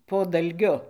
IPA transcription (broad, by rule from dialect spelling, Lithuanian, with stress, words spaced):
poː dɐlʲˈɡʲʊ